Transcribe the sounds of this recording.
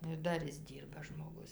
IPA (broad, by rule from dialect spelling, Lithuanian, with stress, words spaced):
nʊ ɪr ˈdɐr ˈɪs ˈdʲiːrbɐ ʒmoːˈɡʊs